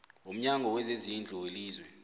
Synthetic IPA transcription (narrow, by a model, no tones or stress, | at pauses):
om̩ɲaŋɡʱɔwɛzezind͡ɮʱuweliːzwɛ